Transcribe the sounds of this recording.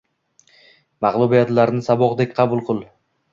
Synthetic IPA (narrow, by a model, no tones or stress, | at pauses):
mɑʁlˠʊbijat̪laɾnɪsabɒqd̪ekʲqʰɑbʊlˠqʰɨlˠ